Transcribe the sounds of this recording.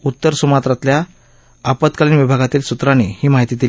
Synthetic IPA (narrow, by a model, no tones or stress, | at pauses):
ut̪ːəɾsumat̪ɾat̪lja | apət̪kaliːnʋibʱaɡat̪iːlsut̪ɾañehiːmaɦit̪it̪il